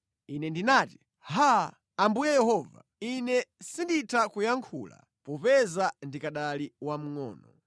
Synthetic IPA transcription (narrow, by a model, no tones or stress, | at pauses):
inɛndinaːti̥ | ha | ambujɛjɛhɔːva̰ | inɛsinditʰakujaŋkʰṵla̰ | pɔpɛzandikaɗaliwam̩ŋɔ̰ːnɔ